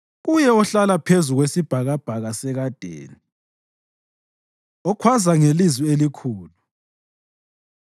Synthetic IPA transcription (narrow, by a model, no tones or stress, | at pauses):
ɣujɛɔɬalapʰezuɣwesib̥ʱaɣab̥ʱaɣasɛɣad̥ʱḛːni | ɔkʰwazaŋelizwielikʰuːlu